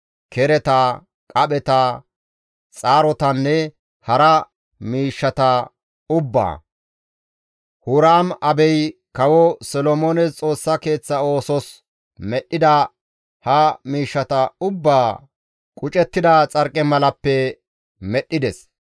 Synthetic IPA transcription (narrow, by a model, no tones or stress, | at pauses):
kʰɛɾɛt̪ɐ | kʼɐɓɛt̪ɐ | t͡sʼaːɾɔt̪ɐnːɛ | hɐɾɐ | miːʃːɐt̪ɐ | ʊbːa̰ː | hʊɾaːmɐbɛjkɐwɔsɔlɔmoːnɛst͡sʼo̞ːsːɐke̞ːt͡sːɐo̞ːsɔs | mɛɗːɪd̪ɐ | hɐmiːʃːɐt̪ɐʊbːaː | kʼʊt͡ʃʼɛt̪ːɪd̪ɐt͡sʼɐɾkʼɛmɐlɐpːɛ | mɛɗːɪd̪ɛs